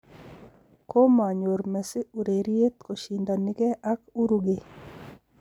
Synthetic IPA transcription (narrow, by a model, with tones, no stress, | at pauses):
ko˦ma˨ɲo˨ɾmɛ˨sɪ˦u˨ɾe˨ɾje˦t̪ko˨ʃi˨nd̪a˨nɪ˦kɛ˦ʔa˦ku˦ɾu˦ɡe˨